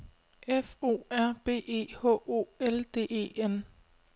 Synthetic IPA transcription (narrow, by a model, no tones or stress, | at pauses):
efo̝̰ːæɐ̰b̥e̝̰ːe̝̰ːhɔ̰ːo̝̰ːeld̥e̝̰ːe̝̰ːen